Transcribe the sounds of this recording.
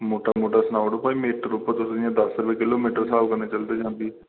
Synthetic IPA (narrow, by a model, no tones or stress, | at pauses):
moːʈamoːʈaːsənaːʋɽõːpaːiːmeːʈɾuːpːt̪ʊsãːd̪əsɾʋeːkɪloːmiːʈəɾsaːbkəɾneːt͡ʃəld̪eːd͡ʒãːnd̪iː